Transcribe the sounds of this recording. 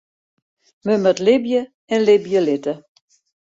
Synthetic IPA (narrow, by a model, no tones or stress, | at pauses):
məmətlɪbjə | ɛnlɪbjəlɪtə